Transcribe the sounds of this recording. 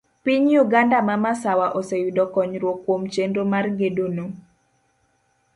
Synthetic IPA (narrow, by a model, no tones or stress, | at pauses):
piɲjuɡandamamasawaʔosejudɔkɔɲɾwokwomt͡ʃendomarɡedono